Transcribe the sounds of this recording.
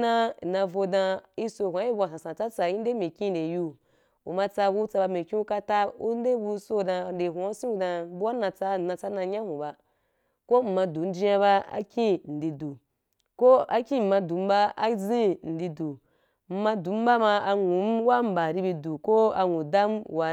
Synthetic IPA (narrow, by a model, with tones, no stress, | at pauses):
na˦˨nã˧vo˧dã˧i˧so˧˨kʷã˨˦i˦bʷa˨sã˨sã˨t͡sa˦t͡sa˨ji˦de˦me˨kʲĩ˦˨de˨ju˧ | u˨ma˧t͡sa˧bu˧˦t͡sa˧ba˧me˨kĩ˦u˦ka˧ta˦ṵ˦n˦de˦bu˧˦so˧dã˧˨de˨ɦʷu˨˦sĩ˦u˧dã˧bu˦wa˦nã˧t͡sa˧˨nã˧t͡sa˦na˧ɲã˦hũ˨ba˧ | ko˦m̩˨mã˧du˨˦n̩˦d͡ʒi˦ja˧ba˦a̰˦kʲĩ˦n̩˨di˧du˨ | ko˦a̰˦kʲĩ˦˨m̩˨mã˧du˨˦m̩˦ba˦a˦zĩ˦n̩˨di˧du˨ | m̩˦mã˧du˨˦m̩˦ba˦ma˧a˧ŋu˨˦m̩˦wa˦m̩˨ba˨ɾi˧bi˧du˨ko˦a˧ŋũ˨da˦m˦wa˧